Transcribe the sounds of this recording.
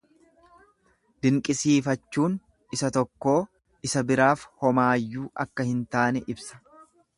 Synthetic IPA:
d̪ɪŋkʼɪsiːfɐt͡ʃːuːn | ɪsɐt̪ɔkːo̞ː | ɪsɐbɪɾaːfhɔmaːjːuːʔɐkːɐhɪnt̪aːnɛʔɪbsɐ̥

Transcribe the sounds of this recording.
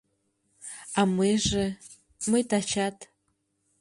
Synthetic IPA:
amɨʐɨ | mɨjtʰat͡ʃatʼ

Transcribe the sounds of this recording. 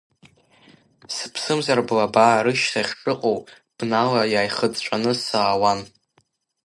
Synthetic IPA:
sɨpʰsɨmzarblabaːɾɨʃsʰaχʲʂʼɨqʼow | b̥nalajaːjχəd͡zt͡ʃʷʼanɨsaːwan

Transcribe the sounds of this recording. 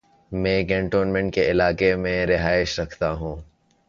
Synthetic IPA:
mẽːɡɛ̃ːɳʈoːnmɛ̃ɳʈ̚keɪlaːkemẽɾɪɦaːɪʃɾɐkʰt̪aɦũː

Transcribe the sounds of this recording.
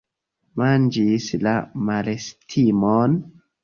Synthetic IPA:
mand͡ʒislamalestʰimon

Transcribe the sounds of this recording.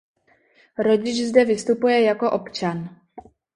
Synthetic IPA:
ɾo̞ɟɪt͡ʃzdɛvɪst̪upujɛjako̞ʔo̞pt͡ʃan

